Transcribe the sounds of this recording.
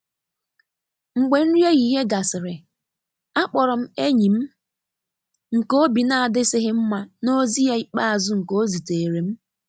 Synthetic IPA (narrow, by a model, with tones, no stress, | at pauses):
ŋ͡m̩˨ɡ͡be˨n̩˦ɾje˦ɣi˦˨ɦe˦ɡa˨sɪ˨ɾɪ˨ | a˦k͡pɔ˨ɾɔ˨m̩˦e˦ɲi˨m̩˦ | ŋ̩˨ko˦bi˨na˦a˨dɪ˦sɪ˦ɦɪ˦m̩˦ma˨no˦zi˦ja˦i˦k͡pa˦a˨zʊ˦ŋ̩˨ko˦zi˨te˨e˨ɾe˨m̩˦